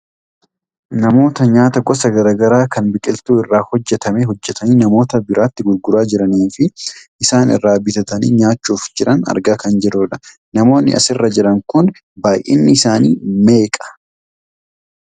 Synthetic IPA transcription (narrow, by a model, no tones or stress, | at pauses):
nɐmo̞ːt̪ɐɲaːt̪ɐɡɔsɐɡɐɾaːɡɐɾaːkɐnbɪkʼɪlt̪uːɪrːaːhɔd͡ʒːɛt̪ɐme̞ːɦɔd͡ʒːɛt̪ɐniːnɐmo̞ːt̪ɐbɪɾʔaːt̪ːɪɡʊɾɡʊɾaːd͡ʒɪɾɐniːfɪʔɪsaːnɪ̰rːaːbɪt̪ɐt̪ɐnḭːɲaːt͡ʃːuːfd͡ʒɪɾʔɐnɐ̰ɾɡaːkɐnd͡ʒɛdoːᶑɐ̥ | nɐmo̞ːnːɪ̰ʔɐ̰sɪrːɐd͡ʒɪɾɐŋkʊn | baːjʔḛːnːɪɪsaːnḭːme̞ːkʼɐ̥